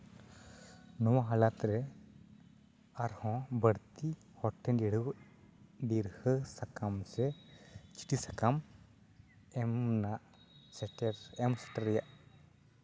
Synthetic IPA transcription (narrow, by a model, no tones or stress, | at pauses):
nɔwaɦalat̪ɾɛ | aɾhɔ̃bəɽt̪i | hɔʈʰːɛ̃ndiɽ̤əw | d̪iɾhəsakamsɛt͡ʃi̥ʈisakam | ɛmnaʔ | sɛʈɛɾɛmsɛ̥ʈəɾːɛjaʔ